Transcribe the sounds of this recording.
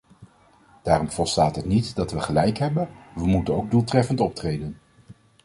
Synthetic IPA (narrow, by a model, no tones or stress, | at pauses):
d̥aːrɔmvɔlˠstaːtɦətnitdɑtʋəχəlɛjkɦɛbənʋəmutənowɡ̚dulˠtrɛfəntɔp̚trejdən